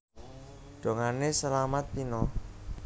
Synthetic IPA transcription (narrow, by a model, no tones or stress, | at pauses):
ɖ̥o̤ŋanesəlamat̪̚pinɔ